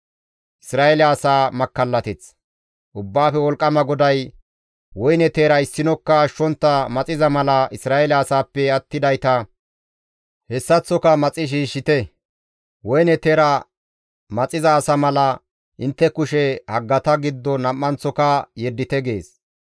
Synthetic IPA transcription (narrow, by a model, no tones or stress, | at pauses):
ʔɪsɾaːɛlaːsaːmɐkːɐlːɐt̪ɛt͡s | ʔʊbːaːfɛwɔlkʼːɐmɐɡɔd̪ɐj | wɔjnɛt̪eːɾɐɪsːɪnɔkːɐːʃːɔnt̪ːɐmɐt͡sʼɪzɐmɐlɐɪsɾaːɛlaːsaːpːɛɐt̪ːɪd̪ɐjt̪ɐ | hɛsːɐt͡sːɔkɐmɐt͡sʼɪʃ̬iːʃːɪt̪ɛ | wɔjnɛt̪eːɾɐ | mɐt͡sʼɪzɐːsɐmɐlɐ | ʔɪnt̪ːɛkʊʃɛhɐɡːɐt̪ɐɡɪd̪ːɔnɐmːɐnt͡sːɔkɐjɛd̪ːɪt̪ɛɡe̞ːs